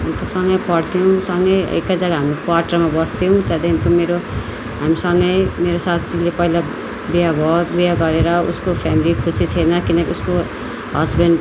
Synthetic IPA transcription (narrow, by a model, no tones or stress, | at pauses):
unt̪ʌsʌŋɡʌjpʌɽt̪ʰijũsʌŋɡʌjʌ̰ḛkːad͡zʌɡaɦamɾokwaʈʌrmabʌst̪ʰijõt̪jad̪eint̪omeɾo | ɦamisʌŋɡʌjmeɾosat̪ʰilepʌɦila | bijabʱʌt̪bijaɡʌɾeɾʌṵskopʰamilikʰusit̪ʰienʌkinʌkiusko | ɦʌzbeɳɖ